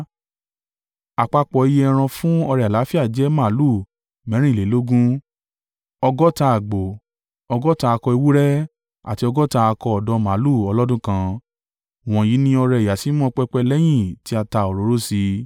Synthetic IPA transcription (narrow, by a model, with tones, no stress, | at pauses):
a˨k͡pa˧k͡pɔ˨i˧je˧˦ɛ˧ɾ̃ã˧fũ˦ɔ˧ɾɛ˧˨a˨la˨˦fi˦a˦˨d͡ʒɛ˦mã˦˨˦lu˦˨ | mɛ̃˨˦ɾ̃ĩ˦˨le˨˦lo˦ɡũ˦ | ɔ˧ɡɔ˦ta˧a˨ɡ͡bo˨ | ɔ˧ɡɔ˦ta˧a˧kɔ˧i˧wu˦ɾɛ˦ | a̰˨ti˧˦ɔ˧ɡɔ˦taː˧kɔ˧ɔ˨dɔ˧˦mã˨˦lu˦˨ɔ˧lɔ˦dũ˦kã˧ | w̃ɔ̃˨ji˨˦nĩ˧˦ɔ˧ɾɛ˧˨ja˨si˨˦mɔ̃˦˧k͡pɛ˧k͡pɛ˧lɛ˦j̃ĩ˦˨ti˦a˧ta˧o˨ɾo˨˦ɾo˦si˧